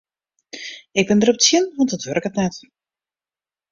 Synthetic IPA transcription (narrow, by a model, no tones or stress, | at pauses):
ɪɡ̚bɪndərɔp̚ətsjɪnʋɑntdɔtʋørkətnɛt